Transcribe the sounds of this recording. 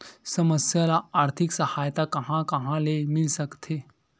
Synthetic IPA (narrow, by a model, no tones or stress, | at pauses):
səməsjalaːɾt̪ʰiksəhajt̪akəɦãkəɦãlemilsəkt̪ʰe